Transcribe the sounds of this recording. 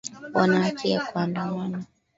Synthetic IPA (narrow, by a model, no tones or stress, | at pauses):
wanaːt͡ʃiakuandamana